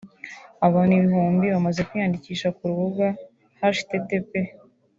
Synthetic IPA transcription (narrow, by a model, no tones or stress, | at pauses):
aβaːniβiɦuːmbiβamazekujandiciːʃakuɾuβuɡa | haʃi̥tetepe